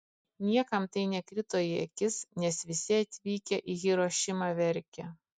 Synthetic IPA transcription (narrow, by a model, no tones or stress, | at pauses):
nʲiɛkɐmt̪ɐɪnʲɛkɾʲɪt̪oːjɪɛ̰kʲɪsnʲɛsʋʲɪsʲɪɐt̪ʲʋʲiːkʲɛʔiɣiɾoʃʲɪmɑʋʲɛɾʲkʲɛ